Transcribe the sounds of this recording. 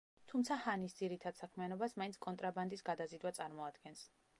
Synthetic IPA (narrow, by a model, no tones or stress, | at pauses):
t̪ʰumt̪sʰahanisd̪ziɾit̪ʰad̪̥sakʰmianɔbasmainsʰkʼɔnt̪ʼɾaband̪isɡad̪azid̪wat̪sʼaɾmɔad̪ɡɛns